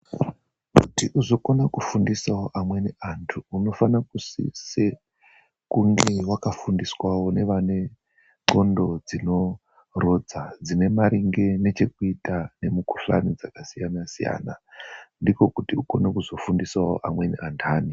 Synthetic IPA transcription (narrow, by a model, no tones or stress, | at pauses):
kutiʔuzo̞konakufundisawoʔamwe̞niantʰuːno̞fanakusḭse | kuŋɡe̞wakafundiswawo̞ne̞ʋane̞ | ŋ͡ǃo̞ndo̞d͡zino̞ | ro̞d͡zad͡zine̞maɾiŋɡe̞ne̞t͡ʃe̞kuitane̞muku̥ɬa̰nid͡zakasijanasija̰ːna̰ndiko̞kutiuko̞nekuzo̞fundisawo̰ʔamwe̞nḭantʰaːni